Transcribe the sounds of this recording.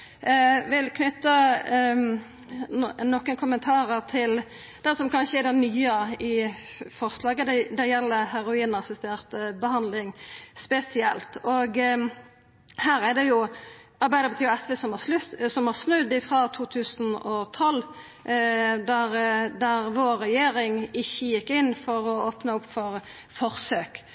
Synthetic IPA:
ʋɪlkʰnʏt̪ːə | nɔkːənkʰʊmənt̪ʰɑːʁəʁt̪ʰɪl | d̪̥ɛsɔmkʰɑnʃəɛd̪ɛnnyːəɪfɔɾslɑːɡəd̪ɛd̪æjɛlːəhæɾʊiːnɑsɪst̪eːʁt̪bəhɑnd̪lɪŋspɛsɪɛlt̪ɔɡ | hæːɾɛd̪ɛjʊ | ɑɾbæɪd̪əɾbət̪ʰiːʋɛsʋɛsɔmɑslʉsɔmhɑsnʉd̪ːɪfɾɑt̪ʰuːt̪ʰʉːsənɔt̪ʰɔlː | d̪æɾd̪æɾʋoːɾːɛjeːɾɪŋɪçːəjɪkːɪnːfɔɾɔoːpnəʊpːfɔɾ | fɔʁsøːk

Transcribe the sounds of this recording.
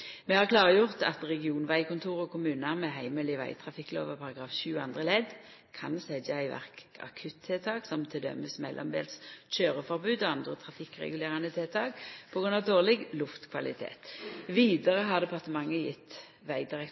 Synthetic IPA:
mɛhɑʁkʰlɑːʁəjʊʁt̪ɑ̰t̪ʁɛɡɪuːnʋæɪkʊnt̪ʰuːʁɔkʊmʉːnəmɛɦæɪməlɪʋæ̰ɪt̪ʰʁɑfɪkːlo̰ːʋəʁpʰɑʁɑɡʁɑːfʃʉːɑnd̪ʁəlɛd̪ | kʰɑnsɛd̪əæɪʋæ̰ʁkɑ̰kʰʉt̪ʰːeːt̪ʰɑːksɔmt̪ʰɪld̪œ̰məsmɛlʔɔ̰md̪ḛːlst͡ʃøːʁəfɔʁbʉːd̪ɔɑnd̪ʁət̪ʰʁɑfɪkːʁɛ̰ɡʉleːʁɑnət̪ʰeːt̪ʰɑːkpʰɔɡʁʉnɑʋd̪oːʁlɛɡlʊft̪kʰʋɑlɪt̪ʰḛːt̪ʋiːd̪əʁəɦɑʁd̪ɛpʰɑʁt̪əmɑŋːəjɪt̪ː | ʋæɪd̪ɪʁɛk

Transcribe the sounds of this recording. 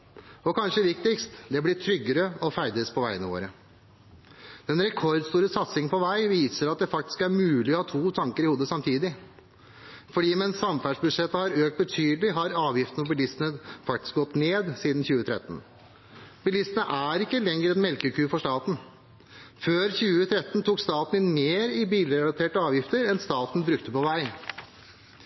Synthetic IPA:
ɔkʰɑnʂəʋɪkt̪ɪkst̪d̪ɛblɪʈʰɾʏɡːəɾəɔfæɪd̪əspʰɔʋæɪənəʋo̰ːɾə | d̪̥ɛnɾɛkʰɔɾd̪st̪uːɾəsɑt̪sɪŋpʰɔʋæɪʋiːsəɾɑt̪̚d̪ɛfɑk̚t̪ɪ̥skæɾmʉːlɪɔhɑːt̪ʰuːt̪ʰɑŋkəɾɪhuːd̪əsɑmt̪ʰiːd̪ɪ | fɔɖiːmɛnsːɑmfæɖʂbʉd̪ʂɛt̪ːəhɑɾøːk̚t̪̚bət̪ʰyːd̪lɪɦɑɾɑːʋjɪft̪n̩fʰɔbɪlɪst̪nəfɑk̚t̪ɪ̥sk̚ɡɔt̪ːneːd̪siːd̪n̩çʉːət̪ʰɾɛ̰t̪ːn̩ | b̥ɪlɪst̪nəʔæɾɪkːəlɛŋːəɾɛnmɛlkəkʰʉːfɔʂt̪ɑːt̪n̩ | føːɾçʉːət̪ʰɾɛt̪ːən̩t̪ʰuːkst̪ɑːt̪n̩ɪnmeːɾɪbiːlɾɛlɑt̪ʰeːʈəɑːʋjɪft̪əɾɛnst̪ɑːt̪n̩bɾʉkt̪əpɔʋæɪ

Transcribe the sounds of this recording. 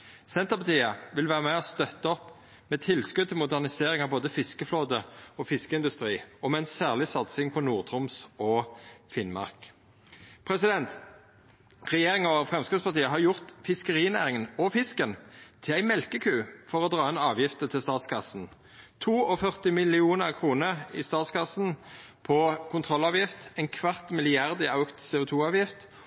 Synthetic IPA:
sɛnt̪əʁpʰɑt̪ʰiːəʋɪlʋæːʁəmæɔst̪œt̪ːəɔpː | meːt̪ʰɪlskʉd̪t̪ʰɪlmʊd̪æʁnɪseːʁɪŋɑʋboːd̪əfɪskəfloːd̪əɔːfɪskəɪnd̪ʉst̪ʁiːɔmæɪnsæːʁlɪsɑt̪sɪŋpʰɔnuːʁt̪ʰʁʊmsoːfɪnmɑ̰ʁk | pʰʁɛsɪd̪ɛnt̪ | ʁɛjeːʁɪŋɔfʁɛmskʁɪd̪spɑʁt̪iːəɦɑʁjʊʁt̪fɪskəʁiːnæ̰ːʁɪŋənɔfɪskənt̪ʰɪlæɪmɛlkəkʰʉːfɔʁɔd̪ʁɑːɛnɑːʋjɪft̪ət̪ʰɪlst̪ɑːt̪skʰɑsn̩ | t̪ʰuːɔfœʁt̪ɪmɪlɪuːnəʁkʰʁuːnəɪst̪ɑːt̪skɑsn | pʰɔkʰʊnt̪ʰʁɔlɑːʋjɪft̪æɪnkʰʋɑʁt̪mɪlɪɑʁd̪ɪɑʉkt̪seːʊt̪ʰuːɑːʋjɪft̪

